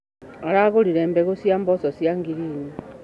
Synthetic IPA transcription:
aɾaɣoɾiɾeːmbɛɣosjambɔsosjaŋɡiɾiːni

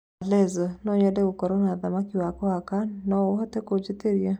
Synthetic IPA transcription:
alɛzɔnɔɲɛdɛokɔɾɔnaðamakiwakɔakannɔoɦɔtɛkod͡ʒeteɾja

